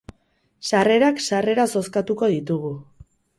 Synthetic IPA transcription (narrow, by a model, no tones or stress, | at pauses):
sare̞ɾaksare̞ɾaso̞skat̪uko̞ðit̪uɣ̞u